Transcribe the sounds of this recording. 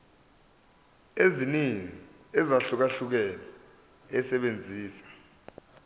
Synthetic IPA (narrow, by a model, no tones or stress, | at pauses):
eziniŋi | ɛzaɬuk̬aɬuk̬ɛla | ɛsɛɓend͡zʱiːsḁ